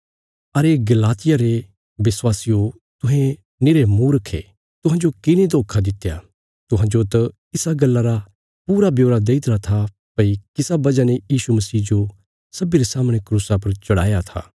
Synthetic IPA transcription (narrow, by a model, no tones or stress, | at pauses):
ɐɾeɡɐlaːt̪ɪjaɾe | ʋɪswaːsijo | t̪ʊɦẽ | nɪɾemũːɾɐkʰːḛ | t̪ʊ̃ɦãːd͡ʒokɪnẽd̪oːkʰad̪ɪt̪ːja̰ | t̪ʊɦãːd͡ʒot̪ɐ | ɪsaɡɐlːaɾa | puːɾabjoːɾad̪eːɪt̪ɾat̪ʰa | pɐikɪsabɐd͡ʒanejiːsumɐsiːd͡ʒo | sɐbiɾesaːməɽ̃ekɾuːsap̬ɐɾt͡ʃɐɽa̰ːjat̪ʰa̰ː